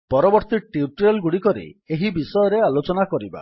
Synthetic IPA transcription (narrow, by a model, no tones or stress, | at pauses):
pɔɾɔbɔɾt̪iʈiuʈɾelɡuɽikɔɾḭeɦibisɔjɔɾealot͡ʃɔnakɔɾiba̰